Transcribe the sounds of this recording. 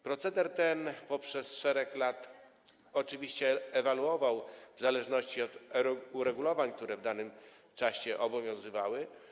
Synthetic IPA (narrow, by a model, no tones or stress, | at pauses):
pɾɔt̪sɛd̪ɛɾt̪ɛnpɔpʂɛsʂɛɾɛklat̪ | ɔt͡ʂɘvʲiɕt͡ɕɛːvaluɔvawvzalɛʐnɔɕt͡ɕiɔt̪uɾɛɡulɔvaɲk̚t̪uɾɛvd̪anɘm | t͡ʂaɕɛʔɔbɔvʲjɔ̃w̃zɘvawɘ